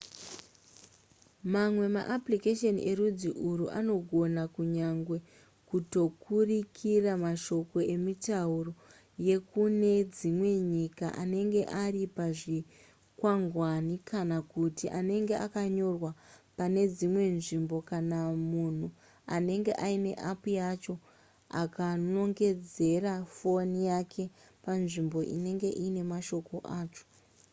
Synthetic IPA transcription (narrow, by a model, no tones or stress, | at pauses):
mamwe̞ma̰ʔaplikeʃenḭʔe̞ɾud͡ziʔuɾuʔa̰no̞ɡʱo̞nakuɲaŋɡwe̞ | kuto̞kurikʰiramaʃo̞ko̞e̞mitauro̞ | je̞kune̞d͡zimwe̞ɲika̰ʔane̞ŋɡe̞ʔaripaʐi | kwaŋɡwanikanakutiʔane̞ŋɡe̞ʔakaɲo̞rwapane̞d͡zimwe̞nʐimbo̞kanamun̤u | ane̞ŋɡe̞̰ʔaine̞̰ʔapujat͡ʃo̞ | a̰kano̞ŋɡe̞d͡ze̞rafo̞nijakʰe̞ | panʐimbo̞ʔḭne̞ŋɡe̞ʔine̞maʃo̞ko̞ʔaːt͡ʃo̥